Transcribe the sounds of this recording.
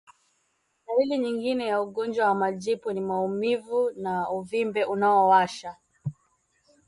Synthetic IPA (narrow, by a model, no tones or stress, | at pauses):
nailiɲiŋɡinɛjauɠɔnd͡ʒwawamaʄipɔnimaumivunauvimbɛʔunaɔwaʃa